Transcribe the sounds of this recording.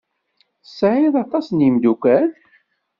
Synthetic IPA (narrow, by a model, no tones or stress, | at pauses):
θsʕiðˤɑt̪ˤɑsnjimd̪ukʷæn